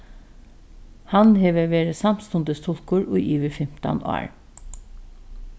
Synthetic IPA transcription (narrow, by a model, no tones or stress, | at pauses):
hɑnheːʋəʋeːɾəsɑmst̪ʊnd̪əst̪ʰʊlkʊɹʔo̰ːʔiːʋəfɛm̥t̪ɑ̰nʔɑ̰ːɹ